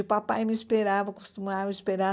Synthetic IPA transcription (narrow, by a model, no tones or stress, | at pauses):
upapajmiispeɾavɐku̥st̪umaɾispeɾa